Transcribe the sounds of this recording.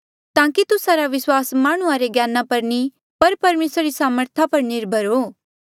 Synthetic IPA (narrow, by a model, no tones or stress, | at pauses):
t̪ãːkit̪ʊsaɾaʋɪswaːsmaːɽ̃ʊaɾeɡjaːnapɐɾni | pɐɾpɐɾmeːsɾaɾisaːməɾt̪ʰapɐɾnɪɾbʱəɾoː